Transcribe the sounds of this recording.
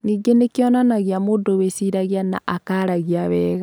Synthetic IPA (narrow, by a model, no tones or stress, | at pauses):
niːɡenekiɔnanaɣjamoːndowesiɾaɣjana̰ʔakaɾaɣiaβɛːɣa